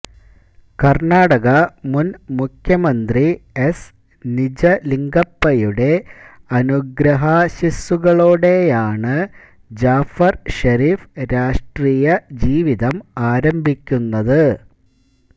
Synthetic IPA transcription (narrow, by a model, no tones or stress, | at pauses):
kɐrɳaːɽɐɣɐmunmukʰjɐmɐnd̪ries | nid͡ʑɐliŋɡɐpːɐjuɽe̞ɐnuɡɾɐɦaɕisuɣɐɭoːɽe̞jaːɳɨ | d͡ʑaːfɐrʂɐɾiːfɾaːʂʈriːjɐd͡ʑiːʋiðɐmaːɾɐmbʱikʲːunːɐðɨ